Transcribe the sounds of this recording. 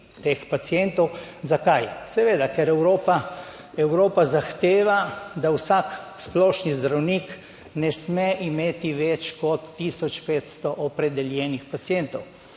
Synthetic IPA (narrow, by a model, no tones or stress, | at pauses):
t̪eːxpat̪siɛnt̪ɔwzakajsɛʋeːd̪akɛɾɛwɾoːpa | ɛwɾoːpazaxt̪eːʋad̪awsaksplɔːʃnizd̪ɾawnik | nɛsmɛʔimeːt̪iʋɛt͡ʃkɔt̪ːisɔt͡ʃpeːt̪st̪ɔʔɔpɾɛd̪ɛljɛːnixpat̪sijɛnt̪ɔw